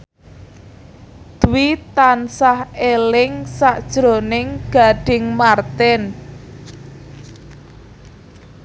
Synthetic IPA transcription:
d̪̥uwit̪ansahelɪŋsaʔd̥ʒ̥ɾonɪŋɡ̥a̤ɖ̥ɪ̤ŋmart̪ɛn

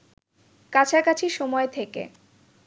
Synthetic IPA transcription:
kat͡ɕʰakat͡ɕʰiʃɔmɔet̪ʰekḛ

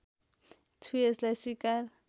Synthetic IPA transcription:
tʰujɛslasikal

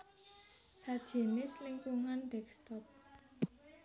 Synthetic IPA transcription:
sad̥ʒ̥e̤nɪslɪŋkuŋanɖɛk̚st̪ɔp̚

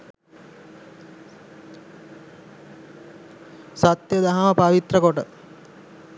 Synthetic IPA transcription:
sat̪jəd̪aɦaməpaʋit̪rəkoʈə

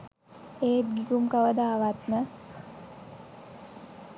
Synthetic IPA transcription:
eːt̪̚ɡikumkəʋəd̪aːʋat̪mə

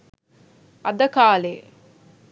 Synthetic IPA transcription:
ɐd̪ɐkaːleː

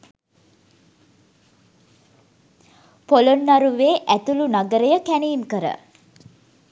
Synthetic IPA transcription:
polonːaɾuʋeːʔæt̪ulunaɡəɾəjəkæniːnkəɾə̰

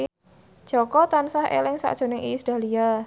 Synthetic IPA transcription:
ʒ̥ɔ̤kɔt̪ansahḛlɪŋsa̰ʔd̥ʒ̥o̤nɪŋisd̥a̤lia

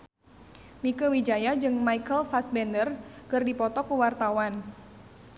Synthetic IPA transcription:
mikəwid͡ʒajad͡ʒɨŋmaikəlfasbɛndərkɨrdipɔt̪ɔkuwart̪awan

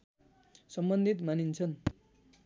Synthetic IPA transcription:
sʌmbʌnd̪ʱit̪manint͡sʰʌn

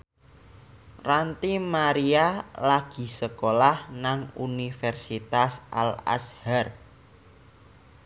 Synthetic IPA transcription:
rant̪imaɾialaɡ̥i̤səkolahnaŋunifɛrsit̪asʔa̰la̰shar

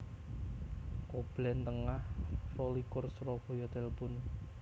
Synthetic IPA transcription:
kob̥lɛnt̪əŋahrolikʊrsrɔb̥o̤jɔt̪ɛlpʊn

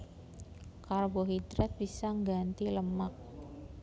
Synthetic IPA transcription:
karboɦid̪ɾɛt̪̚b̥isaŋɡant̪iləmak̚

